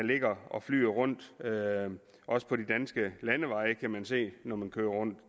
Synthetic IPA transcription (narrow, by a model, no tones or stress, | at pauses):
le̝ɡ̥ɐɒ̽fly̰ːɐʁɔ̽n̰d̥ø | ʔɒ̽sə̥pʰɒ̽did̥ænsɡ̥əlænəʋɑ̈ɪəkʰæmænse̝̰ːnɒmænkʰøːɐʁɔ̽n̰d̥